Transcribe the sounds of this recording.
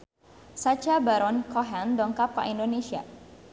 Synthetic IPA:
sat͡ʃabaɾɔnkɔɦɛndɔŋkapa̰ʔindonesia

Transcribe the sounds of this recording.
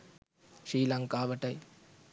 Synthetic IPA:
ʂiːlɐŋkaːʋɐʈːɐɪ

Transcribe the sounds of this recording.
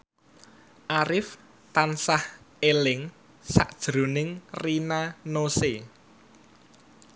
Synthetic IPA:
ʔaɾɪf | t̪ansah | elɪŋ | sa̰ʔd̥ʒ̥ɾo̤nɪŋrinanose

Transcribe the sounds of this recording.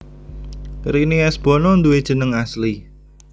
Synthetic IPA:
ɾiniɛsb̥ɔ̤nɔnd̪uwed̥ʒ̥ə̤nəŋasli

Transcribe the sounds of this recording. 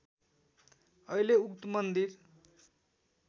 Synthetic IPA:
ʌileukt̪əmʌnd̪iɾ

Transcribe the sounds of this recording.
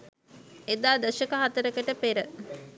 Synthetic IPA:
ed̪aːd̪əʃɐkəɦat̪əɾəkəʈəpeɾə

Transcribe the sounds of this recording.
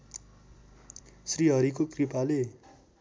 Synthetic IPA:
sriɦʌɾikokripale

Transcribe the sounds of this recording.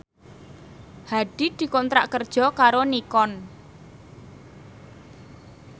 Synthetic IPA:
haɖ̥i̤d̪̥i̤kɔnt̪ɾaʔkərd̥ʒ̥ɔ̤kaɾonikɔn

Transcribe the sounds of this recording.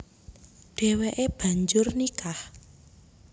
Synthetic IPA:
ɖ̥e̤weʔeb̥a̤ɲd͡ʒʊrnikah

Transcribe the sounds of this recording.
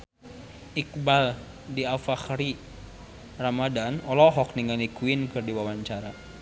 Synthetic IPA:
ʔik̚bal | diafaxɾi | ramadanɔlɔɦɔk̚niŋanikuinkɨrdiwawaɲt͡ʃaɾa

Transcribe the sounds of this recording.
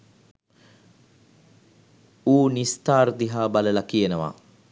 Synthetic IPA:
uːnist̪aːrd̪iɦaːbaləlakijenəʋa̰ː

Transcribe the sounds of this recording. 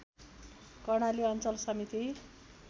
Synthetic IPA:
kʌrɽ̃aliʌnt͡sʌlsʌmit̪i

